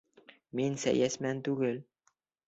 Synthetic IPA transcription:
minsæ̰jæsmænt̪uɡɘl

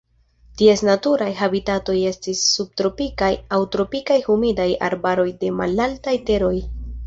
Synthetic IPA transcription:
tie̞snatuɾajɦabitato̞je̞stisːub̚tɾo̞pikajawtɾo̞pikajhumidaja̰ɾbaɾo̞jde̞ma̰laltajte̞ɾo̞j

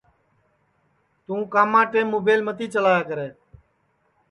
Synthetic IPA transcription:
t̪ũːkaːmãːʈeːmːoːbeːlmət̪iːt͡ʃəlaːjaːkəɾeː

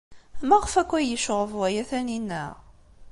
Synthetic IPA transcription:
mæʁəfækʷːæjəʃoʁəvwæjæθæninːəʁ

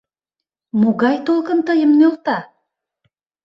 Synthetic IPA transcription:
moɣɑjt̪olˠkənt̪əjəmnølt̪ɑ

